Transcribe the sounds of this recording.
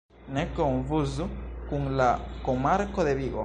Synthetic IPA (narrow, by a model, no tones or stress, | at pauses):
nekoɱvuzukuŋlakomaɾkoðeβiɣo̰